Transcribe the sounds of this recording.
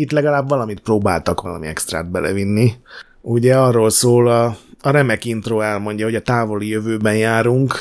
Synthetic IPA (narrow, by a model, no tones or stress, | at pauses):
it̪lɛɡɒlaːbʋɒlɒmit̪̚proːba̰ːlt̪ɒkʋɒlɒ̰miɛ̰kst̪ra̰ːd̪̚bɛlʔɛ̰vinːi | uɟɛɒrːoːlsoːlɒːɾɛmɛkint̪roːɛlmo̞ɲɟɒɦo̞ɟɒt̪aːvo̞lijøvøːbɛnjaːɾuŋk